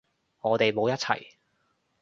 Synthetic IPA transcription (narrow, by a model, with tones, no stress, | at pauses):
ŋɔː˨˧t̪e˨jmo˨˧wjɐ˥t̚t͡sʰɐ̰˨˩j